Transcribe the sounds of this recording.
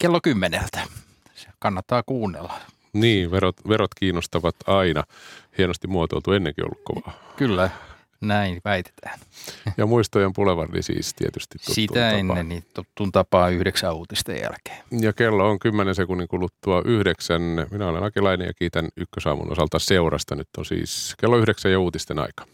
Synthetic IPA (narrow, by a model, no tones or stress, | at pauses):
kelːokymːenḛlt̪æ̥ | se̥kɑnːɑt̪ːɑːkuːnːḛlːɑ̥ | niːʋerot̪ʋeɾot̪kiːnːost̪ɑʋɑt̪ɑinɑhienost̪imuot̪o̰lt̪uenːeŋkḭo̰lːukko̰ʋɑ̥ːkylːæ | næinʋæit̪e̥t̪ʰæ̥ːnjɑmuist̪ojempuleʋɑ̰rnḭsḭːst̪ḭet̪yst̪it̪tusit̪ːṵæenːenniːt̪ot̪unt̪ɑpɑːyhɾeksæːuːt̪ist̪ḛjjæ̰lke̥ːjɑkelːooŋkymːenensekunːiŋkulut̪ːuɑʔyhdeksænminæolḛnɑkilɑinḛjɑ̰kiːt̪ænykːøsɑ̰ːmṵno̰sɑlt̪ɑseurɑst̪ɑnyt̪ːonsḭːskelːoyhɾeksæjɑuːt̪ist̪enɑ̰ikɑ̥